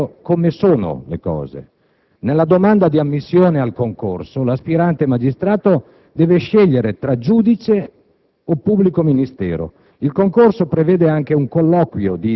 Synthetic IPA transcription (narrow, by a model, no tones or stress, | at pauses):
komesoːno̰lḛkɔ̰ːzḛ | nelːad̪omand̪ad̪iamːisːjoːnealkoŋko̰rsolaspiɾant̪emad͡ʒist̪ɾaːt̪o | d̪ɛːveʃɛʎːeɾet̪ɾad͡ʒuːd̪it͡ʃe | opubːlikominist̪ɛːɾo̰ | ilkoŋkorsopɾevɛːd̪eaŋk̟euŋkolːɔkwjod̪i